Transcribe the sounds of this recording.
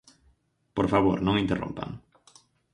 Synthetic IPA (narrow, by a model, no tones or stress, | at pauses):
poɾfaβoɾnõŋint̪erõ̰mpa̰ŋ